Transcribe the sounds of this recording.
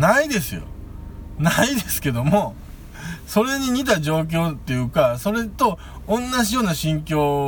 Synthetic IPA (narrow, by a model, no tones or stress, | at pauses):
naid̪e̞sɨjo̰ | naid̪esɨ̥ke̞d̪o̞mo̞ | so̞ɾe̞ɲ̟iɲ̟it̪̬ad͡ʑo̞ːk̬ʲo̞ːt̪ːe̞jɯ̟ːkaso̞ɾe̞t̪o̞ | õnːaʑijoːnaɕĩŋkʲo̞ː